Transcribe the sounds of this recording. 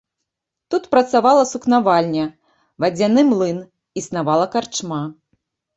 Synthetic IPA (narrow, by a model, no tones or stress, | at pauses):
t̪ut̪pɾɐt̪savalˠɐsuknavalʲnʲɐ | vad͡zʲanɨmlˠɨn | isnavalˠɐkart͡ʂma